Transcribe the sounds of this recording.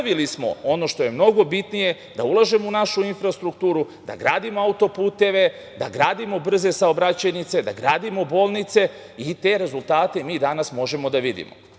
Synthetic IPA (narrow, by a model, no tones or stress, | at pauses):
ʋilismo̞̰o̞no̞ʃt̪o̞je̞mno̞ɡo̞bit̪nije̞ | d̪aulˠaʒe̞mo̞unaʃuinfɾast̪ɾukt̪uːɾu | d̪a̰ɡɾaːd̪imo̞aut̪o̞puːt̪e̞ʋe̞ | d̪a̰ɡɾaːd̪imo̞br̩ze̞saobɾat͡ɕanit̪se̞d̪a̰ɡɾaːd̪imo̞bo̞ːlˠnit̪se̞it̪e̞ɾe̞zulˠt̪aːt̪e̞miːd̪anasmo̞ʒe̞mo̞d̪aʋid̪ḭmo̰